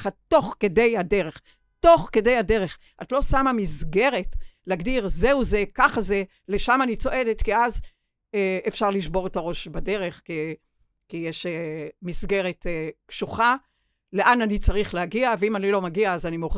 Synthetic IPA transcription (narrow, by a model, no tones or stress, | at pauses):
χato̞χke̞de̞jhade̞ʁeχ | to̞χke̞de̞jade̞ʁe̞χ | atlo̞samamisɡe̞ʁetleaɡdiʁzeuzekaχaze | leʃamanit͡so̞ʔe̞detkiaz | eefʃaʁliʃbo̞ʁetaʁo̞ʃbade̞ʁe̞χki | kijeʃmisɡe̞ʁetpʃuχa | le̞ʔananit͡saʁiχleaɡiaveimanilo̞maɡiaːzanimoχ